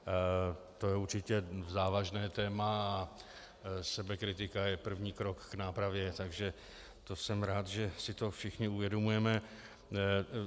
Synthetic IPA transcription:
t̪o̞jɛuɾt͡ʃɪcɛzaːvaʒnɛːt̪ɛːma | sɛbɛkɾɪt̪ɪkajɛpr̩vɲiːkɾo̞kːnaːpɾavjɛt̪aɡʒɛ | t̪o̞sɛmɾaːt̪ʒɛsɪt̪o̞fʃɪxɲɪuvjɛdo̞mujɛmɛ

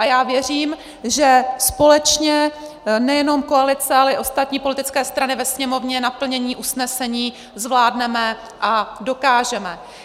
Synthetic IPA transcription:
ʔajjaːvjɛr̝iːm | ʒɛspo̞lɛt͡ʃɲɛ | nɛjɛno̞mko̞alɪt͡sɛalɛʔɪʔo̞st̪at̪ɲiːpo̞lɪt̪ɪt͡skɛːst̪ɾanɪvɛsɲɛmo̞vɲɛnapl̩ɲɛɲiːʔusnɛsɛɲiː | zvlaːdnɛmɛ | ʔado̞kaːʒɛmɛ

